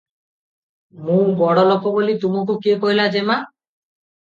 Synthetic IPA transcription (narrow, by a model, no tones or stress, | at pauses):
mũbɔɽɔlɔkɔbolit̪umok̬ukiekoɦilad͡ʒema